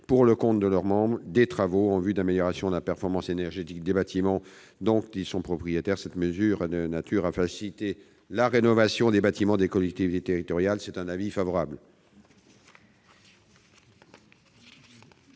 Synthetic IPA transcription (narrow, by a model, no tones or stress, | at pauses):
puʁləkɔ̃t̪d̪əlœʁmɑ̃bʁd̪et̪χavoɑ̃vyd̪ameljɔʁasjɔ̃d̪əlapɛʁfɔʁmɑ̃senɛʁʒet̪ik̚d̪ebat̪ʰimɑ̃ | d̪ɔ̃k̪isɔ̃pχɔpχijet̪ɛʁsɛt̪məzyʁd̪ənat̪ʰyʁafasilit̪e | laʁenɔvasjɔ̃d̪ebat̪imɑ̃d̪ekɔlɛk̚t̪ivit̪et̪eʁit̪ɔʁjalsɛt̪ɛ̃navifavɔʁabl